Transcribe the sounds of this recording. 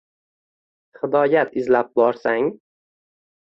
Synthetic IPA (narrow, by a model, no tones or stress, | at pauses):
hɪd̪ɒjat̪ʰɪzlap̚bɒɾsaŋ